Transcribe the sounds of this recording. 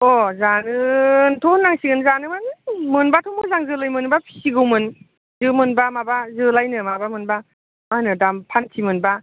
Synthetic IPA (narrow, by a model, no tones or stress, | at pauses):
ɔzanɯntʰonːaŋsiɡɯnzanɯmanmɯnbatʰɔmɯzaŋzɯlajmɯnbapʰi̥siɡɯwmɯn | zɯmɯnbamabazɯlajnɯmabamɯnba | manɯdampʰantʰimɯnba